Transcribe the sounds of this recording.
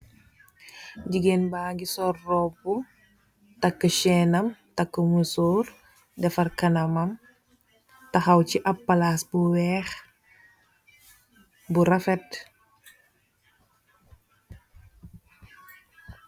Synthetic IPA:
ɟiɡenbaːŋɡisɔrːɔbu | tɐkːəʃɛnɐmtɐkːəmusoːr | dɛfɐrkɐnɐmɐm | tɐxɐwciʔɐpːalasbuwɛːx | buɾɐfɛt̚

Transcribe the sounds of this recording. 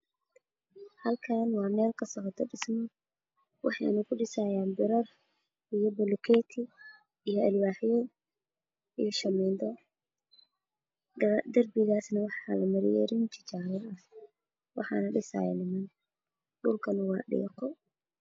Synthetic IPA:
hɐlkʰaːnwɑːmɛːlkʰɐsɐqɐt̪ʰːɔɖɪsmɔ | wɑ̰ħɑ̰jʔɪnʊkʰʊɖɪsaːjaːnbɪɾɐr | ijɔbɐlʊkʰɛːt̪ʰɪ | ijɔʔɐlwaːħɪjɛ | ijʃɐmɛnd̪ɐ | d̪ɐrbɪɣaːsnɐwɑħɑlɐmɐɾɪjɛ̰ːɾɪnt͡ʃʰɪt͡ʃaːɣɔɐh | wɑ̰ħɑ̰ːnɐɖɪsa̰ːj̰nɪmɪn | ɗʊlkʰɐnɐwɑːɗɛ̰ːqɔ

